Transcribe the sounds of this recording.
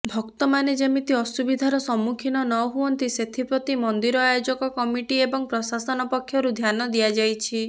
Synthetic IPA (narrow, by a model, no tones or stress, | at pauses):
bʱɔkt̪ɔmaned͡ʒemit̪iɔsubid̪ʱaɾɔsɔmukʰinɔnɔɦuɔnt̪iset̪ʰipɾɔt̪imɔnd̪iɾɔajod͡ʒɔkɔkɔmiʈiebɔŋpɾɔsasɔnɔpɔkʰːjɔɾud̪ʱjanɔd̪iad͡ʒajt͡ʃʰi